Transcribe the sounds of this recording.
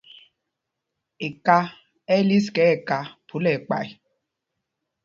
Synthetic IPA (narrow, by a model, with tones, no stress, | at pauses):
ɪ˨ka˦ | ɛ˦li˦skɛ˨˦e˨ka˦pʰu˨˦le˨k͡pa̰˨ɪ˨˦